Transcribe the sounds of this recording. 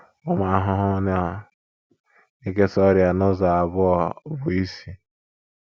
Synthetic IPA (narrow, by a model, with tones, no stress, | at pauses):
ʊ˦ma˨a˨ɦʊ˦ɦʊ˦n˦a˨ | i˦k̬e˦sɔ˦ɾja˨nʊ˦za˨a˨bʊ˦ɔ˨bʊ˨i˦si˨